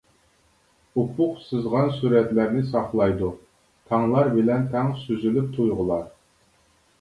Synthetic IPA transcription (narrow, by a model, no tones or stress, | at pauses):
upʰʊqsɨzʁɑnsuɾɛt̪læɾnɪsɑχlˠɑjd̪u | t̪ʰɑŋlˠɑɾbɪlɛnt̪ʰɛŋsyzylyp̚t̪ʰujʁəlˠɑɾ